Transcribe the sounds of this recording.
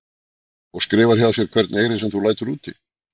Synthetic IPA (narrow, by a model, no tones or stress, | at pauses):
ɔɣskɾɪːvaɾ̥çjaðasjɛɾ̥kʰv̥ɛɾt̪neːjɾɪsɛmθulaːjt̪ʏɾuːt̪ʰɪ̰